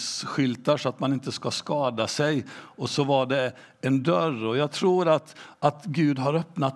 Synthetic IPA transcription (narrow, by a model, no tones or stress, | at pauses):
sɧʏlt̪aʂɔat̪manɪnt̪əskaskɑːd̪asɛjɔsɔvaɖɛ | ɛnd̪œɾɔjaːɡ̚t̪ʰɾuːɾat̪at̪ɡʉ̟ːd̪ɦaɾœpnat̪